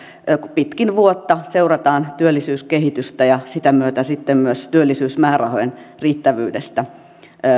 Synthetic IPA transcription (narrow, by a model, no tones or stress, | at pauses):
pit̪kinʋuot̪ːɑseurɑt̪ɑːnt̪yølːisyːskehit̪yst̪æjɑsit̪æmyøt̪æsit̪ːemmyøst̪yølːisyːsmæːrɑhojenriːt̪ːæʋy̰ːdest̪æ